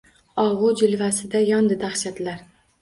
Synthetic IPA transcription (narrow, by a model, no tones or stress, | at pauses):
ɒʁʊd͡ʒɪlvasɪd̪ajɒnd̪ɪd̪aχʃad̪ɪlaɾ